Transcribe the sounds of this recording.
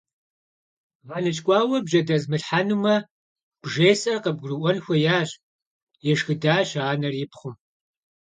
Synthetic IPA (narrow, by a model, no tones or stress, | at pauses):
ʁɐnɨt͡ʃʼkʷʼɑːwɐbʒɐdɐzmɨɬħanɨmɐ | b̥ʒeːsɐrqəb̚ɡʷrɨʔʷɔnxʷɔjaːɕ | jɛʃxɨdaːɕaːnɐrɪpʰχʷʊm